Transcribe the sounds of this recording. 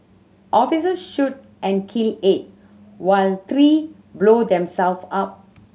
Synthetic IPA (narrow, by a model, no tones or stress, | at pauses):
ʔɔfisəsʃut̚ | ʔɛ̃nkʰilɪt̚ | waɪlt̪ʰɾi | bloːdɛ̃msɛlfap̚